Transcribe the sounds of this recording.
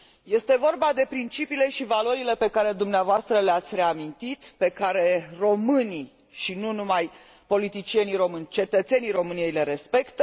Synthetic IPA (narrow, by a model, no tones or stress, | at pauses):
je̞st̪e̞vo̞rbad̪e̞pɾint͡ʃipiːle̞ʃivalo̞ɾile̞pe̞kaɾe̞d̪umneavoast̪ɾəleat̪sʲɾe̞amint̪it̪pe̞kaɾe̞ro̞mɨni | ʃinunumaj | po̞lit̪it͡ʃije̞niɾo̞mɨnʲt͡ʃe̞t̪ət̪se̞niɾo̞mɨnije̞jle̞ɾe̞spe̞kt̪ə